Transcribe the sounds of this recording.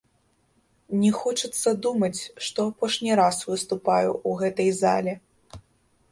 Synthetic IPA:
nʲɛxɔt͡ʂɨt̪sːɐd̪umɐt͡sʲʂt̪ɔapɔʂnʲiɾasvɨst̪upajṵʔːɣɛt̪ɐjza̰lʲɛ

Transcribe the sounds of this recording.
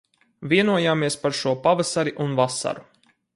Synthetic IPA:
viɛnuɔjaːmiɛspaɾʃuɔpavasaɾiʔunvasa̰ɾu

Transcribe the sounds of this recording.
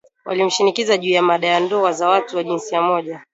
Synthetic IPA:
wʔa̰lim̩ʃinikizaʄuːjamaɗajandɔazawatuwaʄinsiamɔʄa

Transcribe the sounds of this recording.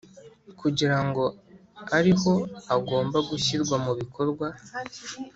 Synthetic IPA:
kuɟiɾaŋɡo̞aɾiho̞aɡo̞ːmbaɡuçiɾɡwamuβikʰo̞ɾɡwa

